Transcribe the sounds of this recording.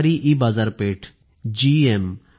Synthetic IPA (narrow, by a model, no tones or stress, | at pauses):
ɾiʔibazaɾpeʈʰ | d͡ʒiem